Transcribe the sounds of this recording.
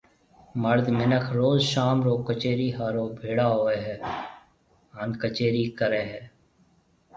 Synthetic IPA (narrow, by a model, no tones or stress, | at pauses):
məɾd̪mɪnəkʰɾoːzʃaːmɾoːkət͡ʃeːɾiɦaːɾoːbʱeːɽaːɦoːeːɦɛː | ənkət͡ʃeːɾiːkəɾeːɦɛː